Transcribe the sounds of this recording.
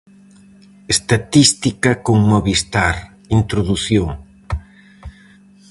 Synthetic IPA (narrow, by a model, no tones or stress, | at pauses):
est̪at̪ist̪ikɐkoŋmoβist̪aɾ | int̪ɾoðuθjoŋ